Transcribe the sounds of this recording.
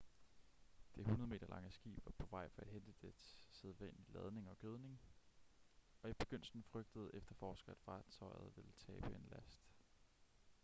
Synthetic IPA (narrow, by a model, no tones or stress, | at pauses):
d̥e̝ɦunɐðˠme̝̰ːd̥ɐlʔɑ̈ŋəsɡ̥ḭːb̥ʋɑ̈pʰɒ̽ʋɑ̈ɪ̰fɒ̽æ̥ɦend̥əd̥e̥seðˠʋænlilɛð̞ˠne̝ŋɒ̽ɡ̥øð̞ˠne̝ŋ | ɒ̽ib̥e̝ɡ̥øn̰sn̩fʁœɡ̥̚d̥əð̞̩ˠefd̥ɐfɒːsɡ̥ɐæd̥fɑ̈ːt͡sʰɒ̽ɪ̰ð̞̩ˠʋe̝lt͡sʰɛːb̥əe̝nlæsd̥